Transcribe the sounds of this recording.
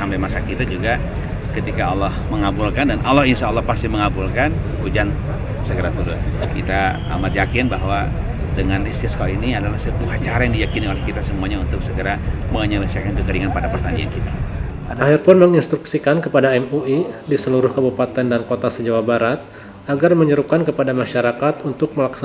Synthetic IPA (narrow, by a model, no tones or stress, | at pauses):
ampajmasakit̪ad͡ʒuɡa | kət̪ikaɔlɔhməŋabulkandanʔɔlːɔhinʃaːlːɔhpast̪ihməŋabulkanhud͡ʒan | səɡəɾat̪uɾʊnkḭt̪a | a̰mat̪̚jakɪnbaɦwa | dəŋanist̪iaskainiadalahsət̪uat͡ʃaɾajaŋdijakiniolɛhkit̪asəmuaɲaunt̪ʊk̚səɡəɾaməɲəlisiakankəkəɾiŋanpadapərt̪ania̰nkit̪aahirpʊnməŋinst̪ɾuksikankəpadaɛmuidisəluɾʊhkəbupat̪ɛndankot̪asəd͡ʒawabaɾat̪̚ | aɡarməɲəɾup̚kankəpadamaʃaɾakat̪unt̪ʊk̚məlaksa